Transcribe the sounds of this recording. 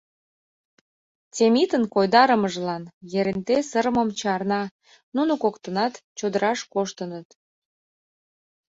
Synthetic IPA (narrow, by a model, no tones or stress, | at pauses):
t͡sʲemit̪ənkojd̪ɑɾəməʒlɑnjeɾent̪esəɾəməmt͡ɕɑrnɑ | nunokokt̪ənɑt̪t͡ɕod̪əɾɑʃkoʃt̪ənət̪